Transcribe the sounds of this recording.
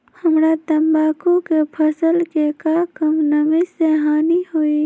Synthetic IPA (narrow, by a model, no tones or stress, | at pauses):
həmɾat̪ɐmbaːkõkepʰəsəlkekakəmnəmiseːɦaːnihoiː